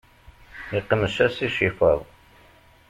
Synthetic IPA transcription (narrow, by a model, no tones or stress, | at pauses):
iqːəməʃæsiʃifəðˤ